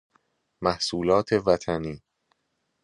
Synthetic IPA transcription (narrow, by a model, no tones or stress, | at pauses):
mæhsuːlɒːt̪ʰe̞væt̪ʰæniː